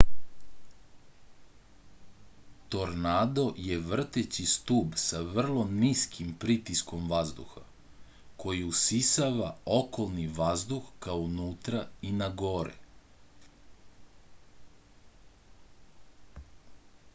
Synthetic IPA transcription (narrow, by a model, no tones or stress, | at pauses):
t̪o̞ɾnad̪o̞jeʋr̩t̪et͡ɕist̪uːbsaʋr̩lˠo̞niskʰimpɾit̪isko̞mʋazd̪ṵxa | kʰo̞jiusisaʋao̞ko̞lˠniʋazd̪uxkaonuːt̪ɾainaɡo̞ːɾɛ̰